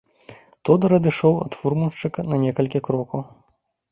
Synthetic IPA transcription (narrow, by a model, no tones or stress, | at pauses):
t̪ɔd̪ɐɾɐd̪ɨʂɔwɐ̰t̪furmunʂt͡ʂɨkɐnɐnʲɛkɐlʲkʲikɾɔkɐw